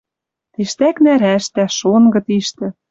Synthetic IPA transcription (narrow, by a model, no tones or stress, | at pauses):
t̪iʃt̪æknæɾæʃt̪æʃonɡɤ̆t̪iʃt̪ɘ̆